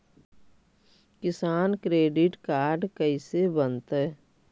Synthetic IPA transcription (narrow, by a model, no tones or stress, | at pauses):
kɪsaːnkɾeːɖɪʈkaːɾɖkəisebənt̪ɦɛː